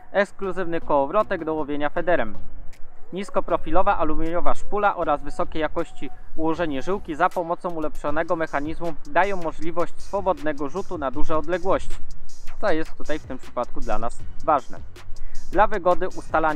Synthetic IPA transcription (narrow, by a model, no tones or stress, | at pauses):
ɛkskluzɘvnɘkɔːvɾɔt̪ɛɡd̪ɔwɔvʲjeɲafɛd̪ɛɾɛm | ɲiskɔpɾɔfʲilɔvaʔalumʲeɲɔvaʂkulaʔɔɾazvɘsɔkʲɛjakɔɕt͡ɕiuwɔʐɛɲɛʐɘwkʲizapɔmɔt̪sɔ̃w̃ulɛpʂɔnɛɡɔmɛxaɲizmud̪ajɔ̃w̃mːɔʐlʲivɔɕt͡ɕsfɔbɔd̪nɛɡɔʐut̪unad̪uʐɛɔd̪lɛɡwɔɕt͡ɕi̥t̪sɔjɛst̪ːut̪ajft̪ɘmpʂɘ̥pat̪̚kud̪lanasvaʐnɛ̰d̪lavɘɡɔd̪ɘʔust̪ala